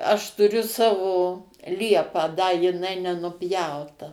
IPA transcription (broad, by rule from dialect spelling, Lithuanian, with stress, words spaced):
ɐʃ tʊˈrʲʊ ˈsɑːʋoː ˈlʲiɛpɑː dɐ jɪˈnɐɪ nʲɛnʊˈpʲjɛʊtɐ